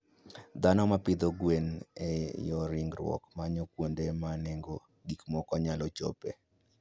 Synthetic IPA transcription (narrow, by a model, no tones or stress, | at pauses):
d̪anɔmapɪd̪oɡwenejɔɾiŋɡɾwɔ̰kmaɲokwondemaneŋɡo | ɡikmɔkɔɲalɔt͡ʃo̰pḛ